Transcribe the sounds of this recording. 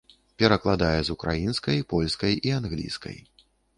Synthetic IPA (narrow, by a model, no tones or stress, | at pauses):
pʲɛɾɐklˠad̪ajɛzukɾa̰jinskɐjpɔlʲskɐjianɣlʲḭskɐ̰j